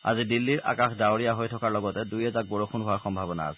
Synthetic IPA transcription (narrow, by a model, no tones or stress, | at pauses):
a̰zidilːiɹa̰kaxdaoɹijaɦojtʰɔkaɹlɔɡɔtɛdujɛzak̚bɔɹokʰunɦʊaɹxɔmbʱabɔna̰a̰sɛ